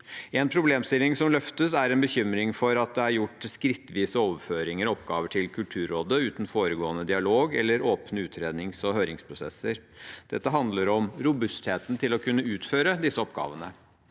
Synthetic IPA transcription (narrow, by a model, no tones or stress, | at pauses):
ɛːnpʰɾʊbleːmst̪ɪlɪŋsɔmlœft̪əsæɾɛnbəçʏmɾɪŋfɔɾɑt̪̚d̪ɛæɾjʊʈːskɾɪt̪ːʋiːsəoːʋəføːɾɪŋəɾɔpɡɑːʋəʈʰɪlkʰʉlt̪ʰʉːɾoːd̪əʉːt̪n̩foːɾəɡoːənəd̪ɪɑloːɡɛ̰lːəɾoːpnəʉːt̪ʰɾeːd̪nɪŋsɔɦøːɾɪŋspʰɾʊsɛ̰sːəɾ | d̪̥ɛt̪ːəɦɑnd̪ləɾɔmɾʊbʉst̪heːt̪nt̪ʰɪlɔkʰʉnːəʉːt̪føːɾəd̪ɪsːəɔpɡɑ̰ːʋənə